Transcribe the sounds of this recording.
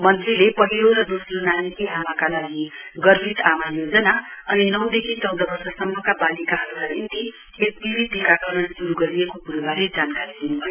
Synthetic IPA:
mʌnt̪rilepʌɦiloɾʌd̪osɾonanikiɦamakalaɡiɡʌrbʱit̪amajod͡zʌnaʌninʌwd̪ekʰit͡sʌwd̪ʌbʌrsʌsʌmːʌkabalikaɦʌɾukanint̪i | ek̚bibit̪ːikaʈʰonʌnsuɾuɡʌɾijekopuɾubʱaled͡zankaɾid̪inubʱʌjo

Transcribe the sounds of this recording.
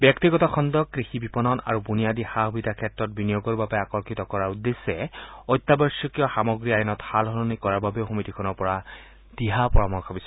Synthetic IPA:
bjɔktiɡɔtɔxʰɔndɔkːɹixibipɔnɔna̰ɹubunijadixaɦbitakʰɛtɹɔt̚binijoɡɔɹbabɛakɔɹkʰitɔkɔɹaud̪ːesːɛɔjt̪ːabɔɹsɔkijɔxamɔɡɹiajɔnɔthalɦɔɹɔnikɔɹaɹbabɛʊxomitikʰɔnɔɹpɔɹa | d̥iɦapɔɹamɔxʰɔbisɛ

